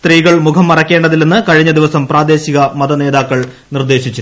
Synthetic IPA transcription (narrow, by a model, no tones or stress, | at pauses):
t̪riːɣɐɭmukʰɐmːɐrɐkʲːe̞ːɳɖɐðilːenːɨkɐɻiɲːɐd̪iʋɐsɐmpraːd̪e̞ːɕiɣɐmɐd̪ɐne̞ːðaːkːɐɭ | nird̪e̞ːɕit͡ɕːu